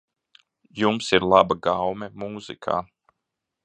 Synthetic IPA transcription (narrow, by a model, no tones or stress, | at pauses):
jumsiɾlˠabaɡawmɛmuːzḭkʰa̰ː